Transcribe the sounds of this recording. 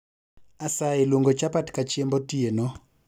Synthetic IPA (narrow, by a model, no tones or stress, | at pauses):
asaelwoŋɡɔt͡ʃapatkat͡ʃembɔtienɔ